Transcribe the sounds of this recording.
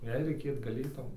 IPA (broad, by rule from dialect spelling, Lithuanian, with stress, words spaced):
ˈjɛɪ rʲɛɪˈkʲeːt ɡɐˈlʲeːtɐʊ